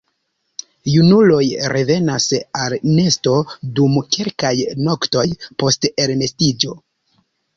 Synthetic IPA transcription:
junulo̞jɾe̞ve̞nasalne̞sto̞dumkelkajno̞kto̞jpo̞ste̞lme̞stid͡ʒo̞

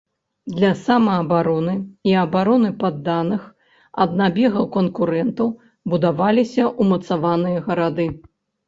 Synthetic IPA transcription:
d̪lʲɐsamɐːbaɾɔnɨiɐbaɾɔnɨpad̪ːanɨx | ɐ̰d̪̚nabʲɛɣɐwkɐnkuɾɛnt̪ɐw | bud̪avalʲisʲɐʔumɐt̪savanɨjɐɣɐɾad̪ɨ

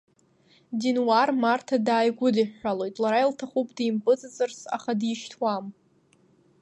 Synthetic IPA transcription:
dinwarmartʰadaːjɡʷʊdiħːalojtʼlaɾailtʰaχupʰʼdijmpʼɨt͡sʼɨzɨrsa̰χadiʃtʰwam

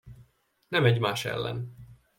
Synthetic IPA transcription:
nɛmɛɟmaːʃɛ̰lːɛ̰n

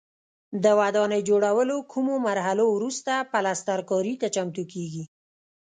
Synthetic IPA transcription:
d̪əwad̪ɑnəjd͡ʒoɽawəlokʰumomaɾɦalowɾust̪apalast̪aɾkɑɾit̪at͡ʃamt̪ukeɡi

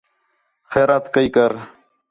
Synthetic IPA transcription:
xeːɾaːt̪kəikəɾ

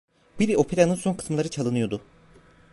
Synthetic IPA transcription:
b̥iɾio̞pʰeɾʲanɯnso̞nkʰɯ̥smɯlˠaɾɯt͡ʃʰalˠɯnɯjo̞d̪ʊ

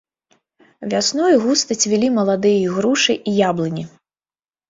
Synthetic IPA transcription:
vʲasnɔjɣust̪ɐt͡sʲvʲilʲimɐlˠad̪ɨjɐiɣɾuʂɨʔijablˠɨnʲi

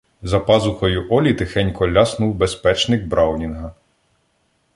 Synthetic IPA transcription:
zɐpɑzʊxɔjʊʔɔlʲit̪ɪxɛnʲkɔlʲːɑsnuwbespɛt͡ʃnɪɡ̚bɾʔɑwnʲinɦɐ

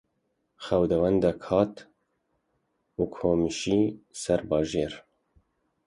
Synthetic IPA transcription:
xɛwd̪ɛwɛnd̪ɛkʰhɑːt̪ | ukʰhoːmiʃiːsɛɾbɑːʒeːɾ

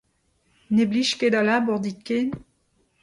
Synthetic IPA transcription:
nebliʃked̪alabɔʁd̪it̪̚ken

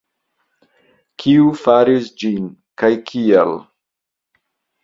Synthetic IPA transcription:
kʰiufaɾisd͡ʒin | kajkʰiel

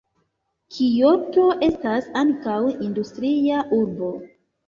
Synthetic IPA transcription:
kʰijo̞to̞ʔe̞stasaŋkawindustɾiaʔuɾbo̞

